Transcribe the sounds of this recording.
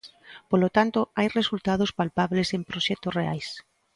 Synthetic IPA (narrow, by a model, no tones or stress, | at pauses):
polot̪ant̪oajresult̪að̞ospalpaβlesempɾoʃɛkt̪osreajs